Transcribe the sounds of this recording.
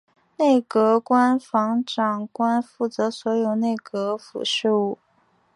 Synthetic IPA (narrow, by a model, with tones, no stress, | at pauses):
ne˥˩ɪkɤ˧˥kwa˥nfɑ˧˥ŋʈ͡ʂɑ˨˩ŋkwa˥nfu˥˩t͡sɤ˧˥swɔ˧˥jo˨˩ʊne˥˩ɪkɤ˧˥fṵ˨˩ʂɻ̩˥˧u˥˩